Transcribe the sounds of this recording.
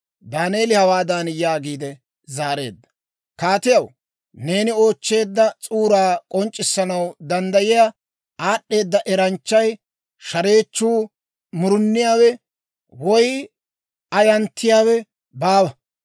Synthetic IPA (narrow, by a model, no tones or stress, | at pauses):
d̪aːneːlɪhɐwaːd̪ɐnjaːɡiːd̪ɛ | zaːɾe̞̰ːd̪ːɐ̥ | kaːt̪ɪjɐw | ne̞ːnɪo̞ːt͡ʃːe̞ːd̪ːɐt͡sʼuːɾaːkʼɔnt͡ʃʼːɪsːɐnɐwd̪ɐnd̪ɐjɪja | aːɗːe̞ːd̪ːɐʔɛɾɐnt͡ʃːɐj | ʃɐɾe̞ːt͡ʃːuː | mʊɾʊnːɪjaːwɛ | wɔj | ɐjɐnt̪ʰːɪjaːwɛ | baːwɐ